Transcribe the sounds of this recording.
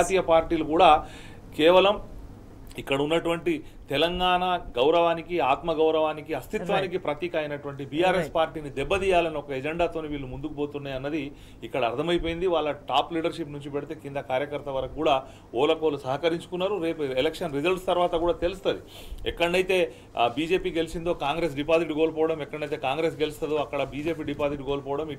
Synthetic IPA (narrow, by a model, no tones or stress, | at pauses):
t̪iːjɐpaːɾʈiːlukuːɽaː | kɛːʋɐlɐm | ikːɐɽɐunːɐʈuʋɐɳʈi | t̪ɛlɐŋɡaːnaɡɐwɾɐʋaːnikiaːt̪mɐɡɐwɾɐʋaːnikiɐst̪it̪ʋaːnikipɾɐt̪iːkaːjɐnɐʈuʋɐɳʈibijaːɾespaːɾʈiːnid̪ɛbːɐd̪iːjaːlɐniɔkɐɛd͡ʒeɳɖaːt̪o̞ːniʋiːɭːumund̪ukubo̞ːt̪unːaːjɐnːɐd̪iː | kːɐɽɐːɾt̪ʰɐmɐjip̬o̞ːjind̪iʋaːɭːɐʈaːpliːɽɐɾʃipnuɲt͡ʃipɛɽit̪eːkind̪ɐkaːɾjɐkɐɾt̪ɐʋɐɾɐkukːuːɽaː | oːlɐkoːlusɐɦɐkɐɾiɲt͡ʃu̥kunːaːɾuɾe̞ːpuɛlekʂɐnɾid͡ʒɐlʈst̪ɐɾʋaːt̪ɐkuːɽaːt̪e̞lust̪ɐd̪ḭ | ɛ̰kːɐɐɳɖɐjt̪e̞ː | biːd͡ʒe̞ːpiːɡe̞lisind̪oːkaːŋɡɾe̞s̬ɖipaːziʈɡo̞ːlɐpɔːɐɽɐmɛkːɐɽɐɳɖɐjt̪e̞ːkaːŋɡɾe̞ːs̬ɡe̞list̪ɐd̪oːɐkːɐɽɐbiːd͡ʒe̞ːp̬iːɖipaːziʈɡoːlɐpɔːɐɽɐmi